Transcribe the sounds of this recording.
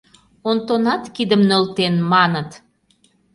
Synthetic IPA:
ont̪onɑt̪kid̪əmnølt̪enmɑnət̪

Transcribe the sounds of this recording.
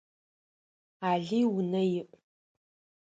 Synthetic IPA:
aːɮijwʊnɐjɪʔ

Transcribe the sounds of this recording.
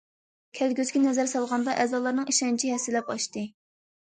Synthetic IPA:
kʲʰɛlɡʲøzkʲɛnɛzæɾsɑlˠʁɑnd̪ɑʔɛzɑːlˠɑɾnɨŋiʃɛnt͡ʃʰiɦɛsːɪlɛpɑʃt̪ɨ

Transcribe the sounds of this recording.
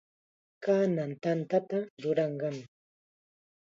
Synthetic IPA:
kaːnant̪ant̪at̪aɾʊɾɑɴɢɑmɪ

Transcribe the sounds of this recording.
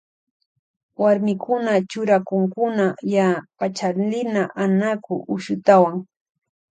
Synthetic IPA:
waɾmɪkʰʊnat͡ʃʊɾakʊŋkʊnajapat͡ʃalɪnaʔanakʊʔʊʃʊt̪awaŋ

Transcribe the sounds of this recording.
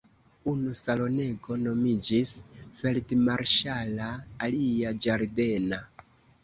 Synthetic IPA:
unusalo̞ne̞ɡo̞no̞mid͡ʒisfe̞ltemaɾʃalaːliad͡ʒaɾde̞na

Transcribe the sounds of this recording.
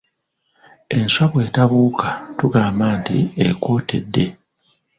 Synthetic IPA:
e̞nswaβwe̞ːtaβuːkatuɡaːmbaːntḭekwo̞ːte̞̰dːe̞

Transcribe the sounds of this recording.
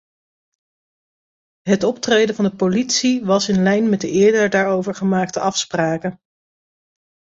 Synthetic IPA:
ɦətɔptrejdəvɑndəpolitsiʋɑsɪnlɛjnmɛt̚dəɪːɹdəɹdaːɹowvəɹχəmaːk̚təʔɑfspraːkə

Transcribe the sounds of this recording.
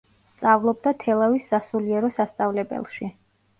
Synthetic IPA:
st̪sʼavlˠɔb̚d̪at̪ʰɛlˠavisːasuliɛɾɔsast̪sʼavlɛbɛ̰lˠʃi

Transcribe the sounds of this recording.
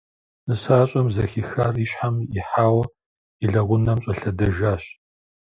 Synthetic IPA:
ɨsaːɕʼɐmzɐxixaːriɕħamɪħaːwɐ | iɮɐʁʷʊnɐmɕʼɐɬɐdɐʒaːɕ

